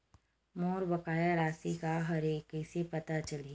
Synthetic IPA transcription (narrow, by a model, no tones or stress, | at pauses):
moːɾbɐkaːjaɾaːsikaɦɐɾeːkɛsepɐt̪at͡ʃɐli